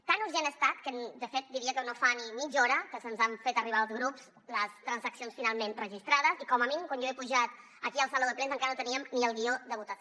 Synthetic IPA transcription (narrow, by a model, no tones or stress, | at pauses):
t̪anuɾʒenəst̪at̪̚kənd̪əfet̪̚d̪iɾiəkənofanimid͡ʒɔɾəkəsənzaɱfet̪əriβaəlˠzɣɾups | ləst̪ɾənzəksionsfinalˠmenrəʒist̪ɾaðəzikɔməminimkwanjoepuʒat̪ | əkiəlˠsaloðəpɾenzəŋkaɾənot̪əniəmniəlˠɣiod̪əβut̪əs